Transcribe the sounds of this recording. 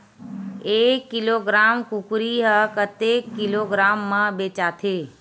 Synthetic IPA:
eːkːɪloːɡɾaːmkukɾiɦəkət̪ekːɪloːɡɾaːmːãbeːt͡ʃaːt̪ʰeː

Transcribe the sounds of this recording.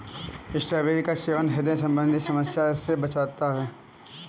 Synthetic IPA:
ɪsʈɾabeɾikaseːʋənɦɪd̪ẽsɐ̃mbə̃nd̪ʱisɐməsjaːɾsebɐt͡ʃaːt̪aɦɛː

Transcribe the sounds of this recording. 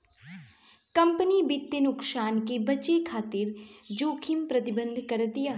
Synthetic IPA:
kɐ̃mpənibɪt̪ːenʊksaːnkebɐt͡ʃekʰaːt̪ɪɾd͡ʒoːkʰɪmpɾɐt̪ɪbə̃nd̪ʱkɐɾd̪ijaː

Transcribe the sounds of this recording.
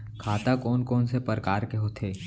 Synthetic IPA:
kʰaːt̪akɔːnkɔːnsepəɾkaːɾkeɦot̪ʰeː

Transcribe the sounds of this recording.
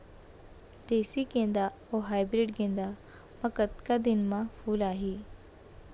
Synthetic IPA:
d̪̥eːsikẽːnd̪a | oːɦaːɪbɾɪɖkẽːnd̪a | mɐkət̪kad̪ɪnmãpʰuːlaːɦiː

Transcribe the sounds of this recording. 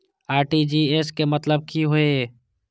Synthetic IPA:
aːɾʈid͡ʒieːskemət̪ləb̚kʰiɦoeeː

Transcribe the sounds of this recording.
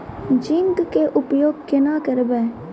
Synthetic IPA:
d͡ʒɪŋɡkeʔʊpjoːɡ̚kɪnakəɾbeː

